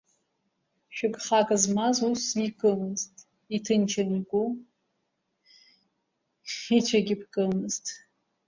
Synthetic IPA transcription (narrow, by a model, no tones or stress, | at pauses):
ʃᶣɪɡχɑːkʼɐzmazusikʼɨmɨztʼ | itʰɨnt͡ʃʰɐniɡʷu | it͡ʃʰɐɡʲɪpʰkʼɨmɨztʰʼ